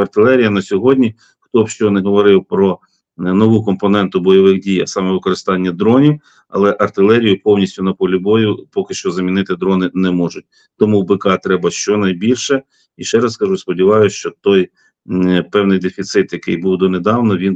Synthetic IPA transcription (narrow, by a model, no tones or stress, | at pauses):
ɐrt̪ɪlˠɛɾʲijɐnɐsʲɔɦɔdʲnʲi | xt̪ɔbʃt͡ʃɔnɛɦɔʋɔɾɪwpɾɔ | nɔʋukɔmpɔnɛnt̪ʊbɔjɔʋɪxdʲijɐ̰sɑmɛʋɪkɔɾɪst̪ɑnʲːɐd̪ɾɔnʲiw | ɐ̰lˠɛʔɐrt̪ɪlˠɛɾʲijʊpɔwnʲisʲtʲʊnɐpɔlʲibɔjʊpɔkɪʃt͡ʃɔzɐmʲinɪt̪ɪd̪ɾɔnɪnɛmɔʒʊt̚ʲ | t̪ɔmuwbekɑt̪ɾɛbɐʃt͡ʃɔnɐjbʲilʲʃɛ | iʃt͡ʃɛɾɐskɐʒuspɔdʲiʋɑjʊʃt͡ʃɔt̪ɔj | pɛwnɪjd̪efʲit̪sɪt̪jɐkɪjbuwd̪ɔned̪ɑwnɔʋʲin